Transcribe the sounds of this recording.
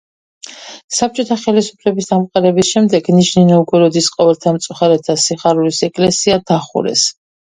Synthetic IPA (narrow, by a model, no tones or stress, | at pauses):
sap̚t͡ʃʼɔt̪ʰaχɛlisupʰlɛbisd̪amqʼaɾɛbisʃɛmd̪ɛɡniʃninɔuɡɛɾɔd̪isqʼɔvɛlt̪ʰamt̪sʼuχaɾɛt̪ʰasiχaɾulisɛkʼlɛsiad̪̥aχṵɾɛ̰s